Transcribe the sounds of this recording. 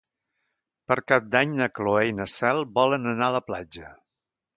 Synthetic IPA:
pəɾkap̚d̪aɲnəkloɛjnəsɛlˠbɔlənənaələplad͡ʒə

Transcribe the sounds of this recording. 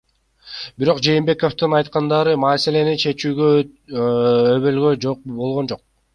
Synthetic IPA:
biɾo̞qd͡ʒe̞jːmbe̞ko̞ft̪ɯnɑjt̪̚qɑnd̪ɑɾɯmɑːse̞le̞nit͡ʃʰe̞t͡ʃyːɡø | øβø̞lɡø̞d͡ʒoq̚bolˠʁo̞nd͡ʒo̞q̚

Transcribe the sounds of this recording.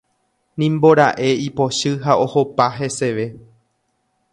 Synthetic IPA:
nĩmbo̞ɾaʔe̞ipo̞ʃɨɦao̞ho̞paɦe̞se̞ʋe̞

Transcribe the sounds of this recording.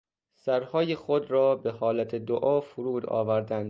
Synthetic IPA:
sæɾhɒːjexod̪ɾɒːbehɒːlæt̪ʰed̪oʔɒːfuɾuːd̪ɒ̰ːvæɾd̪ænd̪

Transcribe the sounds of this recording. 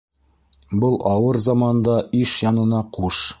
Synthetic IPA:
bɤlˠɑwɤɾzɑmɑnd̪ɑiʃjɑnɤ̆nɑquʃ

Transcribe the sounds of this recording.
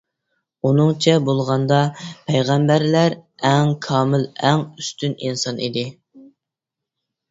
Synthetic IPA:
unɨŋt͡ʃʰɛbolˠʁɑnd̪ɑpʰɛjʁæmbæɾlæɾɛŋkʰɑːmɪlɛŋyst̪yninsɑnḭd̪ɪ

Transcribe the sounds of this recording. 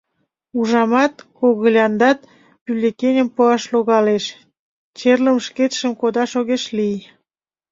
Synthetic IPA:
uʒɑmɑt̪̚koɣəlʲɑnd̪ɑt̪̚ | pylʲekenʲəmpoɑʃloɣɑleʃ | t͡ɕerləmʃket̪ʃəmkod̪ɑʃoɣeʃlij

